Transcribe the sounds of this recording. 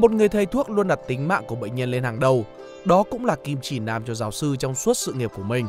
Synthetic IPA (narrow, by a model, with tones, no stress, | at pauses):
mo˨˩t̚ŋɨ˨˩əjt̪ʰə˨˩jt̪ʰu˦˥ək̚lu˧ənɗa˨˩t̚t̪ï˨˦ŋ̟ma̰ː˧˨ŋku˧˩əɓḛ˧˨jŋ̟ɲə˧nle˧nhaː˨˩ŋɗə˨˩w | ɗɔ˨˦kʊ̰˧˥ŋ͡mlaː˨˩ki˧˩mt͡ɕi˧˩naː˨˩mt͡ɕɔ˧zaː˨˦wsɨ˧t͡ɕɔ˧wŋ͡msu˦˥t̚sɨ̰˧˨ŋi˨˩p̚ku˧˩əmï˨˩ŋ̟